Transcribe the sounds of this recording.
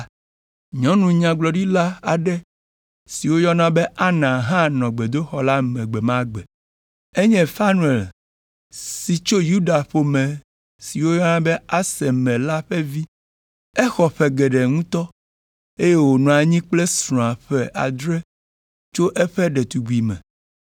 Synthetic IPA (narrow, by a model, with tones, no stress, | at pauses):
ɲɔ̃˦nũ˨ɲã˨ɡ͡blɔ˨ɖi˦la˦a˨ɖɛ˦ | si˨wo˦jɔ˦nã˦bɛ˦ʔa˦nã˨ɦã˦nɔ̃˨ɡ͡be˨d̪o˦xɔ˦la˦mɛ̃˨ɡ͡bɛ˨mã˦ɡ͡bɛ˨ | e˦ɲɛ̃˦fa˦nũ˦e˨l | si˨t͡ʃo˦ju˦ɖa˨ɸo˨mɛ̃˨ | si˨wo˦jɔ˦nã˦bɛ˦a˦sɛ˨mɛ̃˨la˦ɸɛ˦vi˦ | ɛ˦xɔ˨ɸɛ˨ɡɛ˨ɖɛ˨ŋũ˦t̪ɔ˦ | e˦je˦wo˨nũ˨a˨ɲĩ˦k͡plɛ˦sɾɔ̃˨a˨ɸɛ˨ʔa̰˨d̪ɾɛ˦ | t͡ʃo˦ʔɛ˦ɸɛ˦ɖɛ˨t̪u˨ɡu˨i˨mɛ̰̃˨